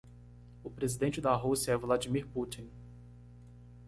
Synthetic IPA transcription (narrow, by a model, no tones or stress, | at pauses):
ʊpɾezid̪ẽnt͡ʃɪd̪aɦusjɐɛvlad͡ʒimiɾput͡ʃĩn